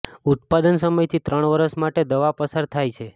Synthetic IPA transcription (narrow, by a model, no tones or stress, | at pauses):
ut̪̚pad̪ənsəməjt̪ʰit̪ɾəɳ̃ʋəɾəʃmaʈed̪əʋapəsaɾt̪ʰajt͡ʃʰe